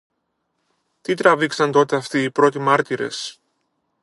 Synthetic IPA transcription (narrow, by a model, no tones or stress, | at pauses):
t̪it̪ɾɐviksɐnt̪o̞t̪e̞ɐft̪iːpɾo̞t̪imɐɾt̪iɾe̞̰s